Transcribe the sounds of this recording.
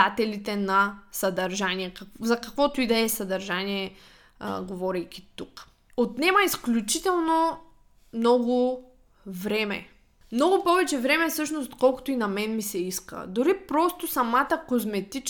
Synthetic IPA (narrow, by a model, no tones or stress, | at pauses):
at̪ɛlit̪ɛnɐsɐd̪ɐɾʒaniɛkɐzɐkɐkvɔt̪ʊid̪ɛɛsɐd̪ɐɾʒaniɛ̰ | ɡovɔɾɛjk̟ʲi̥t̪uk | ot̪nɛmɐisklʲut͡ʃit̪ɛlˠno | mnɔɡʊ | vɾɛmɛ̰ | mnɔɡʊpɔvɛt͡ʃɛvɾɛmɛfsɤʃnost̪kɔlˠkʊ̥t̪oinɐmɛnmisɛiskə̰d̪ʊɾipɾɔst̪osɐmat̪əkozmɛt̪it͡ʃ